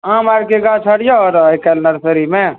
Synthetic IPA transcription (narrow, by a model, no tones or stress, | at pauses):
ãmaɾkeɡat͡ʃʰəɽijaɾɦəjkɛlnəɾsəɾime